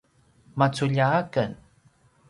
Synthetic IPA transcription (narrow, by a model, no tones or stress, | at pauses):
mat͡suʎaakən